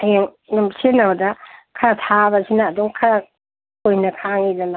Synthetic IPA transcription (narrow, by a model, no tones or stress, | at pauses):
heŋ | numsenɐβɐdɐkʰɐɾatʰabɐsinɐːduŋkʰɐɾa | kojnɐkʰaŋidɐna